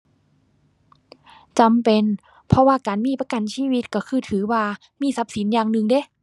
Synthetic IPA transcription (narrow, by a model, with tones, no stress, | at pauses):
t͡ɕa˨mpe˨n | pʰɔ˧waː˧˨kaː˨˩nmiː˧˥˩pa˧ka˨˩nsiː˧˨wi˧˥t̪̚kɔ˧˩kʰɯː˧˩t̪ʰɯː˩˦waː˧ | miː˧˥˨sa˧˦˥p̚si˨˦njaː˧˩ŋnɯ˧ŋde˧˥˨